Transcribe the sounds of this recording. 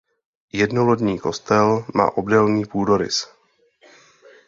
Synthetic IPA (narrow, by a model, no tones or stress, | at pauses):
jɛdnolodɲiːko̞st̪ɛlma̰ːʔo̞bdɛlɲiːpuːdo̞ɾɪ̰s